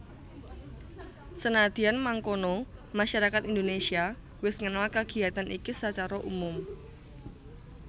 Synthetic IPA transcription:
sənad̪̥i̤anmaŋkonɔmaʃaɾakat̪ind̪onesia | wɪsŋənalkəɡ̥i̤at̪anʔikisət͡ʃaɾɔʔumʊm

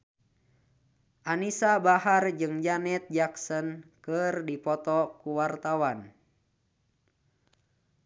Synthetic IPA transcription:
ʔanisabaɦard͡ʒɨŋd͡ʒanɛt̪̚d͡ʒaksənkɨrdipɔt̪ɔkuwart̪awan

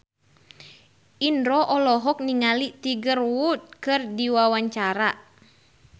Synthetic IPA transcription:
ʔindɾɔʔɔlɔɦɔk̚niŋalit̪iɡərwut̪̚kɨrdiwawaɲt͡ʃaɾa

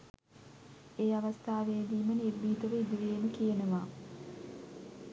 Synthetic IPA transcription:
eːaʋɐst̪aːʋeːd̪iːmənirːiːd̪əʋəid̪iʋeːnukijenəmaː

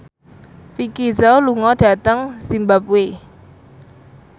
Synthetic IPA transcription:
fikizaluŋɔɖ̥ä̤t̪əŋsimbap̚we

